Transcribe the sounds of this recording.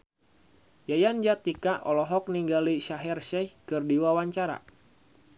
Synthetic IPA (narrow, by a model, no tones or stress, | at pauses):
jajand͡ʒat̪ikaʔɔlɔɦɔk̚niŋɡaliʃaɦɛrʃɛhkɨrdiwawaɲt͡ʃaɾa̰